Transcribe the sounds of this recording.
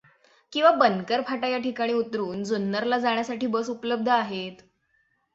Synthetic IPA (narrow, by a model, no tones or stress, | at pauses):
kĩw̃ʋabənkəɾpʰaʈajaʈikaɽ̃iːut̪ɾuːnd͡zonːəɾlad͡zaɳ̃jasaʈiːbəsupləb̚d̪ʱəaɦet̪